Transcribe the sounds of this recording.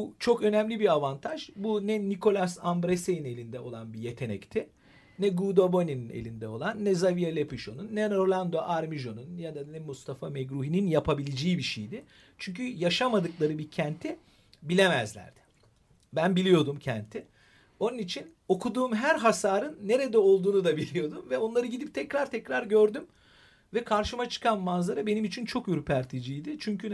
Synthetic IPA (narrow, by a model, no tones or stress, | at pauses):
but͡ʃʰo̞kø̞nɛmlʲibiavant̪ʰaʒbunɛnikʰo̞lʲˠasanbɾesejine̞lʲind̪ɛo̞̰lˠanbije̞t̪ʰe̞nɛ̰ct̪ʰi | nɛɡuːd̪obo̞nʲininḛlʲind̪ɛo̞lˠanːɛzavijalʲepiʃo̞nunːɛnɾo̞lʲˠand̪o̞ʔaɾmiʒo̞nunjad̪anɛmust̪ʰafameɡɾuɦininjapʰabilʲid͡ʒeibiʃejd̪ɪ | t͡ʃʰyɲcyjaʃamad̪ɯklˠaɾɯbicʰænt̪ʰi | bilʲemɛzlʲæ̰ɾd̪̥ɪ̥ | bænbilʲijo̞d̪umcʰæ̰nt̪ʰɪ | o̞nunit͡ʃʰin | o̞kʰud̪uːmɦæɾɦasaːɾɯnːe̞ɾed̪ɛo̞lˠd̪uːnud̪abilʲijo̞d̪umvɛo̞nlˠaɾɯɟid̪ip̚t̪ʰɛcɾaɾt̪ʰɛcɾaɾɟøɾd̪ym | vɛkʰaɾʃɯmat͡ʃʰɯ̥kʰanmanzˠaɾabe̞nimit͡ʃʰint͡ʃʰo̞kjyɾpʰæɾt̪ʰid͡ʒijd̪ɪt͡ʃʰyɲcʰy